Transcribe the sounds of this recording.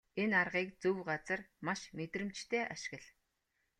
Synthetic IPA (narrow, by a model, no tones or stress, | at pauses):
enarʁiːkt͡sɵwɢat͡sə̆rmaʃmet̪rɘ̆mt͡ɕt̪ʰeːʔaʃɪ̥̆ɣə̆ɮ